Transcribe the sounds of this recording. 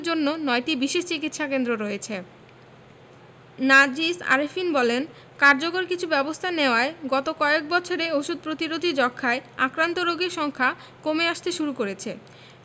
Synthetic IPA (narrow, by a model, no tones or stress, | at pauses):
d͡ʑonːonɔjʈibiʃeʃt͡ɕikit̪ʃakend̪ɾoɾɔet͡ɕʰe | nad͡ʑisa̰ɾefinbɔlen | kaɾd͡ʑokoɾkit͡ɕʰubɛbost̪ʰaneoaeɡɔt̪okɔek̚bɔt͡ɕʰoɾeoʃud̪̚pɾot̪iɾod̪ʱid͡ʑɔkʰːaeakɾant̪oɾoɡeɾʃɔŋkʰa | komeaʃt̪eʃuɾukoɾet͡ɕʰe